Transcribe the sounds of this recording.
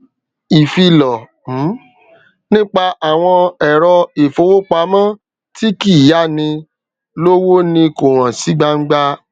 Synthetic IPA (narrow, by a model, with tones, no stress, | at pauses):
i˨fi˧lɔ˨ | m̩˨˦ | nĩ˦k͡pa˧ʔa˨w̃ɔ̃˧ɛ˨ɾɔ˧e˨fo˧˦wo˦k͡pa˧˦mã˦ | ti˦ki˦˨ja˦nĩ˧ | lo˦wo˦nĩ˧ko˨ɾ̃ã˨si˨˦ɡ͡ba˦ŋ̩˦ɡ͡ba˦